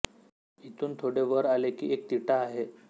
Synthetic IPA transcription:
it̪uːnt̪ʰoɽeʋəɾalekḭːʔek̚t̪iʈaːɦe

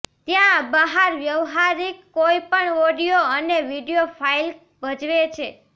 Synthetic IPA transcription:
t̪jãbəɦaɾʋjəʋɦaɾikːoipəɳoɖijoəneʋiɖijofʰail | bəd͡ʒʋet͡ʃʰe

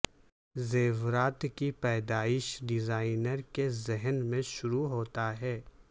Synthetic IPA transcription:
zeːʋɾaːt̪kipɛːd̪aːɪʃɖɪzaːɪnəɾkezɛɦənmẽʃʊɾuɦoːt̪aɦɛː

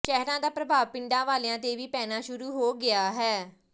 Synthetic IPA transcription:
ʃɛːɦɾãːd̪aːpɾəbʱaːʋpɪɳɖãːʋaːleãːt̪eːʋiːpɛːnaːʃʊɾuːɦoːɡɪaːɦɛː

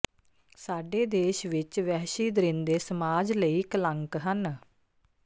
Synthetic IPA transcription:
saːɖeːd̪eːʃʋɪt͡ʃʋɛːʃiːd̪əɾɪnd̪eːsəmaːd͡ʒləiːkələŋkɦən

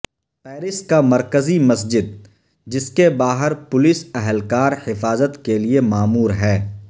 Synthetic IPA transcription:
pɛːɾɪskamɐɾkəzimɐsd͡ʒɪd̪̚ | d͡ʒɪskebaːɦəɾpʊlɪsɛɦəlkaːɾhɪfaːzət̪keliemaːmuːɾɦɛː

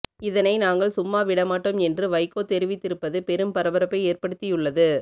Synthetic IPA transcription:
ɪðɐnɐɪnaːŋɡɐɭsʊmːaːʋɪɽɐmaːʈːɯmɛndrɯʋɐɪkːoːt̪ɛɾɪʋɪt̪ːɪɾɯpːɐðɯpɛɾɯmpɐɾɐʋɐɾɐpːɐɪeːrpɐɽɯt̪ːɪjɯɭːɐðɯ

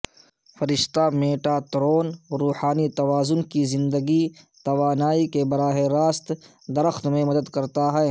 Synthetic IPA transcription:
fɐɾɪʃt̪ameːʈat̪ɾoːnɾuːhaːnit̪ɐʋaːzʊnkizɪ̃nd̪əɡi | t̪ɐʋaːnaːikebɐɾaːɦeɾaːst̪ | d̪ɐɾəxt̪mẽmɐd̪əd̪kɐɾt̪aɦɛː

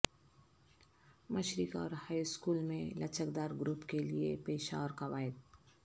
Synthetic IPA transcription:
məʃɾɪkɔ̰ːɾhaːiskuːlmẽlɐt͡ʃəkd̪aːɾɡɾuːpkeliepeːʃa̰ɔːɾkaʋaːɪd̪

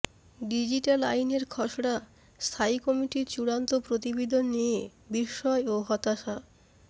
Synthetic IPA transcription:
ɖid͡ʑiʈalajneɾkʰɔʃɽa | st̪ʰaikɔmiʈiɾt͡ɕuɽant̪opɾot̪ibed̪ʱonːijebiʃːɔeoɦɔt̪aʃa

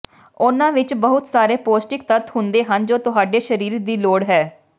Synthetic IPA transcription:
ʊnãːʋɪt͡ʃbəɦʊt̪saːɾeːpoːsʈɪk̚t̪ət̪hʊnd̪eːɦənd͡ʒoːt̪ʊɦaːɖeːʃəɾiːɾd̪iːloːɽɦɛː

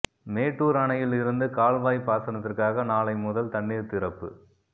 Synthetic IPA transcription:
meːʈːuːɾɐɳɐjɪlɪɾɯnd̪ɯkaːlʋaːjpːaːsɐnɐt̪ːɪrkaːɣɐnaːlɐɪmʊðɐlt̪ɐɳːiːɾt̪ɪɾɐpːɯ

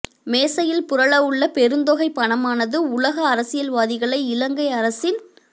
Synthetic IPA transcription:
meːsɐjɪlpʊɾɐɭɐɯɭːɐpɛɾɯnd̪oːɣɐɪpːɐɳɐmaːnɐðɯʊlɐɣɐːɾɐsɪjɐlʋaːðɪɣɐɭɐɪɪlɐŋɡɐɪɐɾɐsɪn

